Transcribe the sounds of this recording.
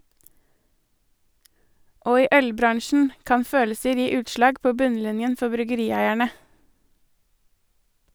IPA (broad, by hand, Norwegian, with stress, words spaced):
ˈoː ˈiː ˈʔœlˌbɾɑɳʃn̩ ˈkɑn ˈføːləsəɾ ˈjiː ˈʉːtˌʃlɑːɡ ˈpoː ˈbʉnˌlɪnjən ˈfɔ bɾʏɡəˈɾiːˌæɪæɳə